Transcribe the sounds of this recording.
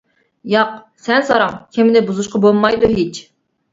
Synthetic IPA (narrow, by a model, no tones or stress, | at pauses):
jɑq | sɛnsɑɾɑŋkʲʰemɪnɪbuzuʃqɑbolˠmɑjd̪uɦit͡ʃʰ